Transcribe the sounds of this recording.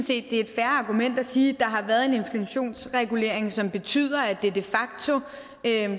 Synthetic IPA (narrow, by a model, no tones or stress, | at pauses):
n̩se̝̰ːd̥ːe̝æe̝d̥fæɐɑ̈ɡ̥umen̰d̥æsiːd̥ɑ̈ɦɑ̈ʋæːɐð̩ˠe̝ne̝nflæɕo̝̰ːnsʁɛɡ̥ule̝̰ɐ̰e̝ŋsɒ̽mb̥e̝t͡sʰy̰ð̞̰ˠɐæd̥e̝d̥e̝fɑ̈ɡ̥̚t͡sʰo̝ | ø